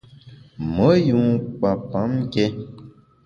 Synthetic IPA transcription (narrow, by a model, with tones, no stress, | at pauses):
mə˨˦ju˨˦k͡pã˨pã˨˦m˦kɛ˦